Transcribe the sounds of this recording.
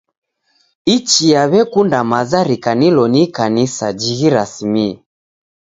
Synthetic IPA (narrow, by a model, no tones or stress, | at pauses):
it͡ʃijaβɛkundamazaɾikanilɔnikanisad͡ʒiɣiɾasimiɛ